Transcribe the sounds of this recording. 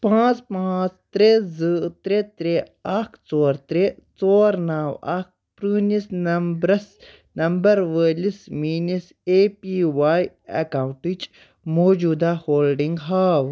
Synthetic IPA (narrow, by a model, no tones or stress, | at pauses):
pãːt͡spãːt͡st̪ɾezɨt̪ɾet̪ɾeaːkʰt͡soːɾt̪ɾet͡soːɾnaːwa̰k̚ | pɾɨːnisnɐmbɾɐs | nɐmbɐɾwəːlismiːnis | eːpiːʋaːj | ḛkaːw̃ɳʈid͡ʒ | moːd͡ʒuːd̪ahoːlɖiŋɡɦaːw